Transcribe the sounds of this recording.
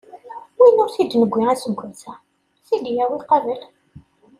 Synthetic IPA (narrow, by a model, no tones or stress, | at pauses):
winʊɾθid̪nəɡʷːiæsəɡʷːænθæ | θid̪jæwiqɑvəl